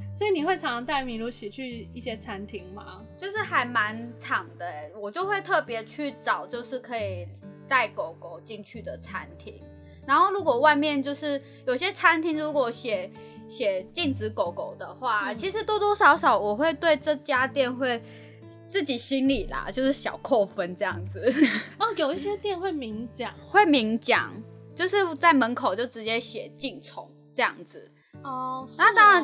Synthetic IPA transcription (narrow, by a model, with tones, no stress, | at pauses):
swɔ˧˥i˨˩ni˨˩we˥˩ɪʈ͡ʂʰɑ˨˦ŋ˧t̪a˥˩ɪmi˨˥nlu˧˥ɕɛ˨˩t͡ɕʰy˥˧i˥˩ɕjɛ˥t͡sʰa˦nt̪ʰi˧˥ŋma̰˦ | t͡ɕjo˥˧ʊʂɻ̩˥˩xa˧˥ɪma˧˦˥nʈ͡ʂʰɑ˨˩ŋd̪ə˦ɛ˦wɔ˨˩t͡ɕjo˥˧ʊxwe˥˧ɪt̪ʰɤ˥˩pjɛ˧˥t͡ɕʰy˥˩ʈ͡ʂɑ˨˩ʊt͡ɕjo˥˧ʊʂɻ̩˥˩kʰɤ˧˥i˨˩t̪a˥˩ɪko˨˧˦ʊko˨˩ʊt͡ɕi˥˧ŋt͡ɕʰy˥˩d̪ə˩t͡sʰa˦˥nt̪ʰi˧˥ŋ | na˧˥nxo˥˩ʊlu˧˥kwɔ˨˩wa˥˧ɪmjɛ˥˨nt͡ɕjo˥˧ʊʂɻ̩˥˩ | jo˨˩ʊɕjɛ˥t͡sʰa˥nt̪ʰi˧˥ŋɻu˧˥kwɔ˨˩ɕjɛ˨˩˦ | ɕjɛ˨˩t͡ɕi˥˩ŋt͡sɻ̩˧˥ko˨˩ʊko˨˩ʊd̪ə˦xwa˥˩i˧˥ʂɻ̩˧˥t̪wɔ˥t̪wɔ˥ʂɑ˧˥ʊʂɑ˨˩ʊwɔ˨˩xwe˥˧ɪt̪we˥˧ɪʈ͡ʂɤ˥˧t͡ɕja˥t̪jɛ˥˧nxwe˥˧ɪ | t͡sɹ̩˥˩t͡ɕi˨˩ɕi˥nli˨˩lɐ̰˩t͡ɕjo˥˧ʊʂɻ̩˥˩ɕjɑ˨˩ʊkʰɔ˥˧fə˦nʈ͡ʂɤ˥˧jɑ˥˩ŋd͡zɹ̩˨˩ɔ˥˨jo˨˩ʊi˥˩ɕjɛ˥t̪jɛ˥˧˨nxwe˥˩ɪmi˧˥ŋt͡ɕjɑ˨˩˦ŋxwe˥˩ɪmi˧˥ŋt͡ɕjɑ̰˨˩˦ŋt͡ɕjo˥˧ʊʂɻ̩˥˩t͡sa˥˩ɪmə˧˦˥nkʰo˨˩ʊt͡ɕjo˥˩ʊʈ͡ʂɻ̩˧˥t͡ɕjɛ˥ɕjɛ˨˩t͡ɕi˥˩nt͡sʰʊ̰˧˦ŋ | ʈ͡ʂɤ˥˧jɑ̰˥˩ŋd͡zɹ̩˩ | ɔ˩na˥˧t̪ɑ˥ŋɻa˧˦n